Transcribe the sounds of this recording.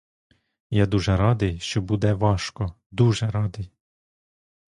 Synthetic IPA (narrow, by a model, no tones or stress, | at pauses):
jad̪uʒɛɾɑd̪ɪjʃt͡ʃɔbud̪ɛʋɑʃkɔ | d̪uʒɛɾɑd̪ɪj